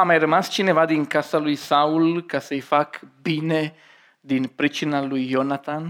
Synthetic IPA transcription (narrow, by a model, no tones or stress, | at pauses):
amaeɾemast͡ʃinevad̪iŋkasalujsaulkasejfakbine | d̪inpɾit͡ʃinalujjonat̪an